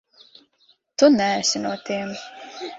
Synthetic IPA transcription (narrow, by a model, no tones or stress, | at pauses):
t̪unɛːsʲinuɔt̪iɛm